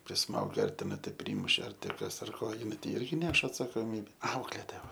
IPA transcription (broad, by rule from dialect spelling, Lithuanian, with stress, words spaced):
pʲrʲɪˈsmɐʊɡʲɛ ɐr tʲɛˈnɐɪ tɐɪ ˈpʲrʲiːmʊʃʲɛ ɐr tʲeː ˈkɐs ɐr ˈkoː jɪˈnɐɪ tɐɪ ˈɪrʲɡʲɪ ˈnʲɛʃ ɐtsɐkoːˈmʲiːbʲɛ ˈɐʊklʲeːtoːjɛ ˈʋɐ